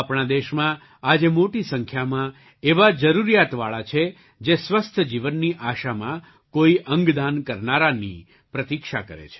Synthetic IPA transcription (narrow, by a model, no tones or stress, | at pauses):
apɳad̪eʃmã | ad͡ʒemoʈisəŋkʰjamã | eʋad͡ʒəɾuɾijat̪ʋaɭat͡ʃʰe | d͡ʒesʋəst̪ʰəd͡ʒiʋənːiʔaʃamã | koiʔəŋɡd̪ankəɾnaɾanḭ | pɾət̪ikʃa̰kə̰ɾḛt͡ʃʰe̥